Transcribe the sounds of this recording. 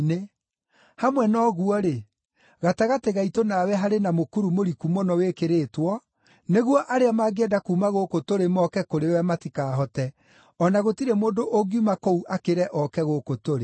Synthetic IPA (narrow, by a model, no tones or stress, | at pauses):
ne | hamwɛnɔɣuɔɾe | ɣataɣateɣaitonawɛɦaɾenamokuɾumoɾikumɔnɔwekeɾeːtwɔ | neɣwɔʔaɾeamaɡeɛdakuːmaɣokotoɾemɔkɛkoɾewɛmatikaːɦɔtɛ | ɔnaɣotiɾemoːndoʔoɡiumakɔuʔakeɾɛʔɔkɛɣokotoɾe